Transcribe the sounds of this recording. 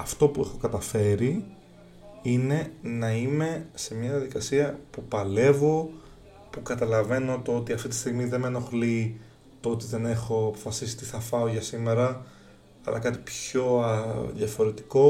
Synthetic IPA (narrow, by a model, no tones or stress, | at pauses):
ɐft̪o̞pue̞xo̞kɐt̪ɐfe̞ɾi | ine̞nɐime̞se̞mɲɐðiɐðikɐsiɐpupɐle̞vo̞ | pukɐt̪ɐlɐve̞no̞t̪oot̪iɐft̪it̪i̥st̪iɣmiðe̞meno̞xli | t̪oot̪iðe̞ne̞xo̞ɐpo̞fɐsisi̥t̪iθɐfɐoʝɐsime̞ɾɐ | ɐ̰lʔɐ̰kɐt̪ipço̞ɐðjɐfo̞ɾe̞t̪i̥ko̞